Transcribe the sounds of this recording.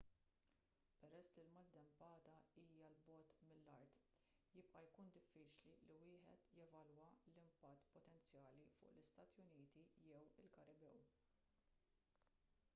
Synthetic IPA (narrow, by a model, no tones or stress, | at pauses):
pɛɾɛsːlilmɐld̪ɛmpɐːd̪ɐiːjɐlbɔːt̪mɪlːɐɾt̪ | jɪp̚ʔɐjkuːnd̪ɪfːiːt͡ʃliliwɪːħɛ̰t̪jɛvɐlwɐlɪmpɐt̪ːpɔt̪ɛnt͡sjɐːlifʊ̰ːʔlɪst̪ɐːt̪jʊniːt̪ijɛwɪlkɐɾɪbɛ̰w